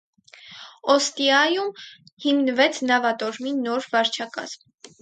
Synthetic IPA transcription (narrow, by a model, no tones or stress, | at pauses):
ɔst̪iɑjumhimnəvɛt͡sʰnɑvɑt̪ɔɾminːɔɾvɑɾt͡ʃʰɑkɑ̰z̥m